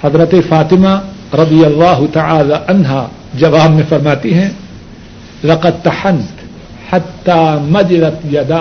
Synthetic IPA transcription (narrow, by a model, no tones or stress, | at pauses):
hɐzɾɐt̪efaːt̪ɪmaɾɐd̪ijɐlːaːɦʊt̪ɐʕaːlaʔɐnɦaː | d͡ʒɐʋaːbmẽfɐɾmaːt̪iɦɛ̃ː | lɐqɐd̪̚t̪ɐħɐnt̪ | ħat̪ːaːmɐd͡ʒɪlɐt̪jɐd̪aː